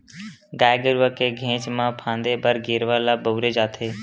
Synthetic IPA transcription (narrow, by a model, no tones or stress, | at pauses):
ɡaːjɡəɾʊʋəkeɡʱẽːt͡ʃmãːpʰãːnd̪ebəɾɡeːɾʋaːlabəːɾed͡ʒaːt̪ʰeː